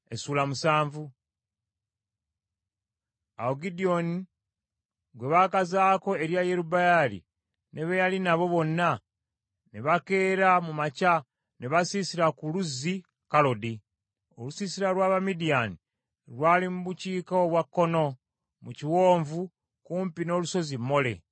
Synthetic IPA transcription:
e̞suːlamusaːɱvu | aoɡidio̞ni | ɡwe̞βakazaːko̞e̞ɾjajeɾubajalḭ | ne̞βejalinaβo̞βo̞nːa | neβake̞ːɾamumaca | neβasisiɾakuluzi | kalo̞di | o̞̰lusisiɾalwaːβamidiani | ɾwaːlimuβuciːkaoβwakːo̞no̞ | muciwo̞ːɱvu | kuːmpino̞ːluso̞zimːo̞le̞̰

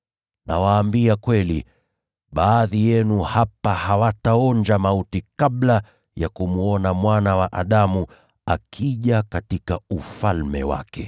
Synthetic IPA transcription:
na̰waːmbiakwɛlḭ | ɓaːðijɛnuhapahawataɔnd͡ʒamautikaɓla | jakumuɔnamwanawaʔaɗamu | akʰiʄakatikaufalmɛ̰wa̰kɛ

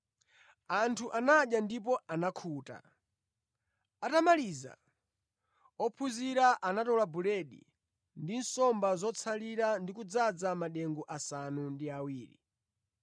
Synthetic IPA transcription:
antʰuʔanaɗjandip̬ɔanakʰuːta̰ | atamaliza̰ | ɔpʰuziɾaʔanatɔlabulɛɗḭ | ndinsɔmbazɔt͡sʰaliɾandikud͡zad͡zamaɗɛŋɡuʔasanundiawiːɾḭ

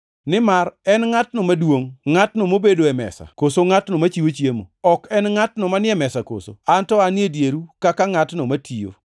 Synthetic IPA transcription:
nɪmarɛnŋatnomadwoŋŋatnomobedoɛmɛ̰sa̰kosoŋatnomat͡ʃiwot͡ʃjemo̰ɔkɛnŋatnɔmanɪɛmɛsako̰so̰antɔanɪedjeɾukakaŋatnomatʰijo̰

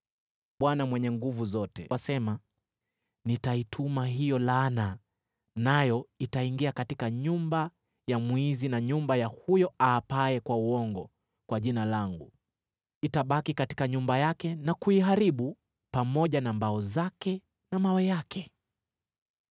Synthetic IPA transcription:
ɓwanamwɛɲɛŋɡuvuzɔtɛ̰wasɛma | nitaitʰumaɦijɔlana | najɔitaiŋɡiakatikaɲumba | jamwizinaɲumbajahujɔʔaːpaɛkwauɔŋɡɔ | kwaʄinalaŋɡu | itaɓakikati̥kaɲumbajakɛnakuiɦaɾiɓu | pamɔʄanambaɔzakɛ | namawɛjakʰɛ

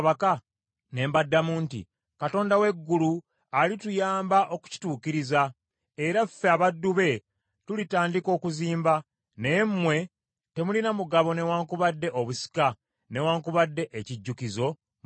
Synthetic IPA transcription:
βaka | ne̞ːmbadːamuːntḭ | kato̞ːndawe̞ɡːulu | alitujaːmbaʔo̞ku̥ci̥tuːkiɾiza | eɾafeaβadːuβe̞ | tulitaːndiko̞ːkuziːmba | nemːwe̞ | te̞mulinamuɡaβo̞ne̞waːŋkuβadːe̞ʔoβusi̥ka | ne̞waːŋkuβadːe̞ʔeciɟːukizo̞

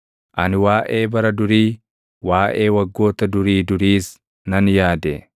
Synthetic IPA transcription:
ʔɐnɪwaːʔeːbɐɾɐd̪ʊɾiː | waːʔe̞ːwɐɡːo̞ːt̪ɐd̪ʊɾiːd̪ʊɾiːs | nɐnjaːd̪ḛ

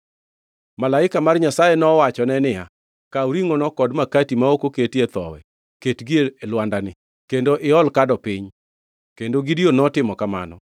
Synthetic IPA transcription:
malaɪkamarɲasajɛnɔwat͡ʃɔnɛnɪja̰ | kauɾiŋɔnɔkɔdmakatimaokoketet̪ɔ̰wɛ̰ | ketɡieelwandanɪ | kendoʔɪɔlkadɔpɪɲ | kendoɡɪdionɔtɪmɔkama̰nɔ̰

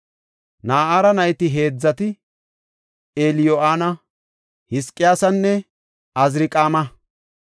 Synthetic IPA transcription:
naːʔaːɾɐnɐjt̪ɪɦe̞ːd͡zːɐt̪ɪ | eːlɪjoʔaːnɐ | hɪskʼːɪjaːsɐnːɛ | ɐzɾɪkʼaːmɐ

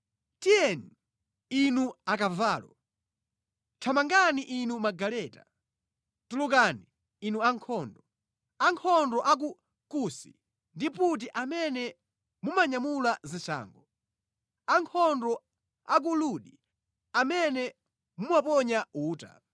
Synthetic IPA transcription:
tijɛni | inuakavaːlɔ | t͡ʃʰamaŋɡaniʔinumaɡalɛːta | tulukaniː | nuaŋkʰɔːndɔ | aŋkʰɔndɔʔak̬u | kusi | ndiput̬iʔamɛnɛ | mumaɲamulazint͡ʃʰa̰ːŋɡɔ | aŋkʰɔndɔ | ak̬uluɗi | amɛnɛ | mumwapɔɲauːta̰

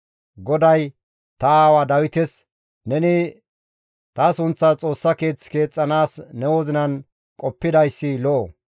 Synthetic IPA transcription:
ɡɔd̪ɐj | t̪ɐaːwɐd̪ɐwɪt̪ɛs | nɛnɪ | t̪ɐsʊnt͡sːɐt͡sʼo̞ːsːɐke̞ːt͡sːke̞ːt͡sʼːɐnaːsnɛwoːzɪnɐn | kʼɔpːɪd̪ɐjsːɪlɔʔː

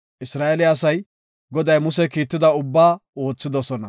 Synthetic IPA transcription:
ʔɪsɾaːʔɛlɪɐsɐj | ɡɔd̪ɐjmʊsɛkiːt̪ːɪd̪ɐʊbːaːo̞ːt͡sːɪd̪ɔsɔnɐ

